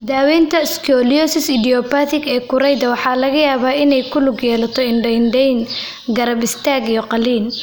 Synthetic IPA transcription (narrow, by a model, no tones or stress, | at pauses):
d̪aːwɛːnt̪ʰɐskʰɔlijɔsɪsɪd̪iɔpat̪ɪɡɛːkʰʊɾɛjðɐwɑħɑːlɐɣɐjaːβaːɪnɛjkʰʊlʊɡjɛːlɐt̪ʰɔɪnɖɛnɖɛjn | ɡɐɾɐbɪst̪ʰaːɡijɔqɑliːn